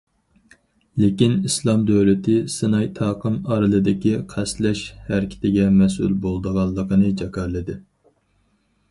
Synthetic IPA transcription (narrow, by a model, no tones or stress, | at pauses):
lekʲinislˠɑmd̪øwlɪt̪ʰɪsɨnɑjt̪ʰɑːqəmɑɾɨlˠɨd̪ɪkʲiqʰæslɛʃhæɾɪkʲʰɪ̥t̪ɪɡʲɛmɛsṵlbolˠd̪əʁɑlˠːəqʰənɨd͡ʒɑkɑɾlˠɨd̪ɪ